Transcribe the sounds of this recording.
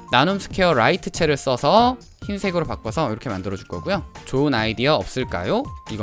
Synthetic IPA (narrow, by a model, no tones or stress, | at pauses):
nanumsʰɯ̥kʰeʌɾaitʰɯ̥t͡ɕʰe̞ɾɯɭs͈ʌsʰʌ | çimsʰe̞ɡɯɾopak͈ʌsʰʌiɾʌkʰemandɯɾʌd͡ʑuɭɡʌɡujot͡ɕoɯnaidiaʌ̰p̚s͈ɯɭk͈a̰joiɡʌ